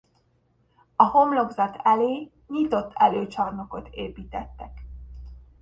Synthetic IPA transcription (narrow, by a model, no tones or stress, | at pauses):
ɒho̞mlo̞ɡzɒt̪ʰɛleː | ɲit̪o̞t̪ːɛløːt͡ʃɒrno̞ko̞t̪ʰeːpiːt̪ɛt̪ːɛk